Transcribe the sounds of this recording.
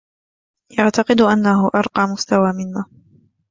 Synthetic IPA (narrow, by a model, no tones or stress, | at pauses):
ʔaʕt̪ɑqɨd̪ʔanːaɦʊʔɑɾˤqɑːmʊst̪awaːmɪnːaː